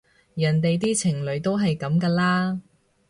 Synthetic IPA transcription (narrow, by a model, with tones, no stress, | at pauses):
jɐː˨˩nt̪e˨jt̪̬iː˥t͡sʰɪ˨˩ŋlɵ˨˧ɥt̪o˥wɦɐ˨jkɐ˨˥mkaː˧laː˥